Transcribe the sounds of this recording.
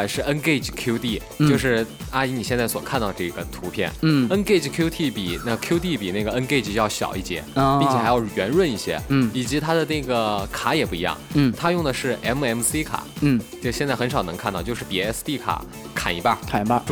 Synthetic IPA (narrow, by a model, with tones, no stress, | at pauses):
ʂɻ̩˥˩ə˥nke˥˩ɪʈ͡ʂkʰju˥ʊt̪i˥˩ | jo˥˧ʊʂɻ̩˥˩a˥i˧˥ni˨˩ɕjɛ˥˧nt͡sa˥˩ɪswɔ̰˨˩kʰnt̪ɑ˥˧˩ə˧ʈ͡ʂɤ˥˩i˧˥ɡə˩t̪ʰu˧˥pʰjɛ̰˥˩n̩˥˩ə˥nke˥˩ɪʈ͡ʂi˧˩kʰju˥t̪ʰi˥˩pi˨˩na˥˩kʰju˥ʊt̪i˥˩pi˨˩na˥˩ɡə˩ə˥nke˥˧ɪʈ͡ʂjɑ˥˩ʊɕjɑ̰˨˩ʊi˥˩t͡ɕjɛ̰˧˥i˥˩t͡ɕʰjɛ˨˩xa˧˥jɑ˥˩ʊɥɛ˧˥nɻwə˥˧ni˥˩ɕjɛ̰˥˩i˨˩t͡ɕi˧˥t̪ʰa˥d̪ə˨na˥˩ɡə˩kʰa˧˥jɛ˨˩pu˥˩i˧˥jɑ̰˥˩ŋ̩˥˩t̪ʰa˥jʊ˥˩ŋd̪ə˩ʂɻ̩˥˩ʔɛ˧˥mɛ˧˥msi˥kʰa̰˨˩˦t͡ɕɤ˥˩ʊɕjɛ˥˧nt͡sa˥˩xə˧˥nʂɑ˨˩ʊnɤ˧˥ŋkʰa˥˧nt̪ɑ˥˧ʊt͡ɕo˥˧ʊʂɻ̩˥˩pi˨˩˧ɛ˥st̪i˥˩kʰa̰˨˩˦ | kʰa̰˨˩ni˧˥ba˥˧kʰa˨˩˥a˥˧